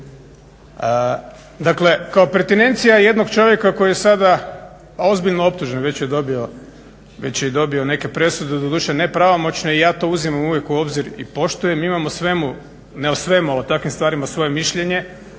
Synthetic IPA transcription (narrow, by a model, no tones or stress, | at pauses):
ə | d̪akle̞kaopet̪ine̞nt̪sijaje̞d̪no̞ɡ̥t͡ʃo̞ʋje̞kako̞jijesad̪a | o̞zbiʎnoo̞p̚t̪uʒnenʋe̞t͡ɕjed̪o̞bio̞ | ʋe̞t͡ɕjed̪o̞bio̞ne̞ke̞pɾe̞sud̪ed̪od̪uːʃene̞pɾaʋomo̞t͡ɕne̞ijaːt̪o̞uzimamuʋje̞kuo̞bziɾḭpo̞ʃt̪ujemiimamosʋe̞mu | neosʋe̞mualot̪akʋimst̪ʋaːɾimasʋo̞je̞miʃʎe̞ɲe̞